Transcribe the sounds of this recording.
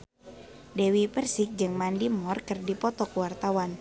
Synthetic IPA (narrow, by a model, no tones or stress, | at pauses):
dewipərsɪk̚d͡ʒɨŋmandimɔrkɨrdipɔt̪ɔkuwart̪awan